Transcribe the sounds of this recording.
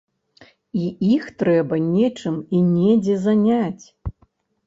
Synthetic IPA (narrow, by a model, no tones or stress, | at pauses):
iixt̪ɾɛbɐnʲɛt͡ʂɨminʲɛd͡zʲɛzanʲat͡sʲ